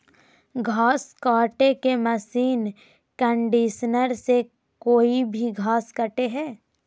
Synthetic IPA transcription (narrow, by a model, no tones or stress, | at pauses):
ɡʱaːskaːʈekeməsiːn | kə̃ɳɖiːʃnəɾse | koːibʱiɡʱaːskəʈeɦɛː